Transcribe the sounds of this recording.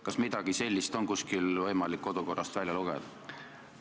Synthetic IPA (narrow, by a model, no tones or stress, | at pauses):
kɑsmid̪̥ɑɡ̥ise̞lʲːist̪o̞nkuskilvɤjmɑlikːo̞d̪̥uko̞rːɑst̪vælʲjɑluɡ̥ḛd̪̥ɑ